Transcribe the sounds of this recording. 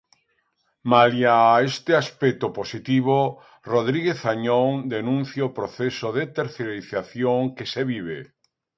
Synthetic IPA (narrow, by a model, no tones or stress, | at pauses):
maljaest̪ɪaspɛt̪oposit̪iβo | roðɾiɣeθaɲoŋd̪enũn̟θjaopɾoθesoðet̪eɾθeɾiθaθjoŋkeseβiβe